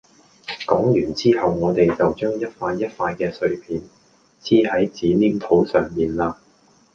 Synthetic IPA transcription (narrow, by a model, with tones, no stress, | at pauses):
kɔː˨˥ŋjyː˨˩nt͡siː˥ɦɐ˨wŋɔː˨˧t̪e˨jt͡sɐ˨wt͡ʃœː˥ŋjɐ˥t̚faː˧jːɐ˥t̚faː˧jkɛː˧sɵ˧ɥpʰiː˨˧n | t͡sʰiː˥hɐ˨˥jt͡siː˨˥liː˥ŋt̪ʰo˨˥wsœː˨ŋmiː˨nlaː˧